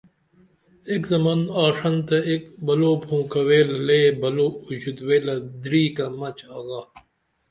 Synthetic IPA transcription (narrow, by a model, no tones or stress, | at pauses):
ekzɐmanaːʂɐnt̪ɐek̚bɐloːpʰũːkɐweːlɐleːbɐloːud͡ʑut̪weːlɐd̪ɾiːkɐmɐt͡ɕaːɡaː